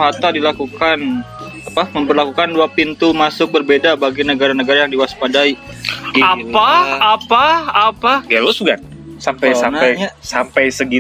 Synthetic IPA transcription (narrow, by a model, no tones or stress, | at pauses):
ɦat̪adilakukan | apaməmpərlakukanduapint̪umasʊk̚bərbedabaɡinəɡaɾanəɡaɾajaŋdiwaspadai | apaapaapaɡalosbuɡan | sampajsanaɲasampajsəɡi